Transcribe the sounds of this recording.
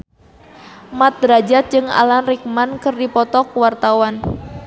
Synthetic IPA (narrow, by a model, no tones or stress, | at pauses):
mat̪̚dɾad͡ʒat̪̚d͡ʒɨŋa̰lanrik̚mankərdipɔt̪ɔkwart̪awan